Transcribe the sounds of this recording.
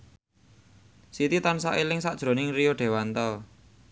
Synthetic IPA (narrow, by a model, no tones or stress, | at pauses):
sit̪it̪ansaʔilɪŋsaʔʒ̥ɾo̤nɪŋrijoɖ̥e̤want̪əl